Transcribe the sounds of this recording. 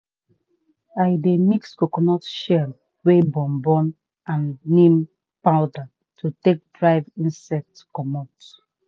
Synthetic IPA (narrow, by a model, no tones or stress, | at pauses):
aɪdemikskokɔnɔtʃɛl | webɔ̃mbɔ̃n | ãnːĩm | paʊda | tʰutek̚dɹaɪvĩnsɛk̚tkɔmot